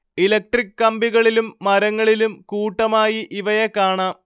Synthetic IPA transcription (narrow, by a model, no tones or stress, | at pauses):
ilɐk̚ʈrikːɐmbiɣɐɭilumːɐɾɐŋːɐɭilumkuːʈːɐmaːjiʔiʋɐjekːaːɳam